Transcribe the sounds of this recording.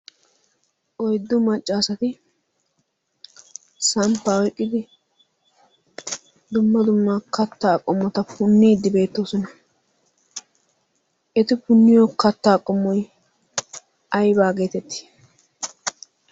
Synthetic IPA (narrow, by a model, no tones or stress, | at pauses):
ʔɔjd̪ːʊmɐt͡ʃʼːaːsɐt̪ɪ | sɐmpːaːwɛkʼːɪd̪ɪ | d̪ʊmːɐd̪ʊmːɐkɐt̪ːaːkʼɔmːɔt̪ɐpʊnːɪːd̪ːɪbe̞ːt̪ːoːsɔnɐ | ʔɛt̪ɪpʊnːɪjokɐt̪ːaːkʼɔmːɔj | ʔɐjbaːɡe̞ːt̪ɛt̪ːɪ̥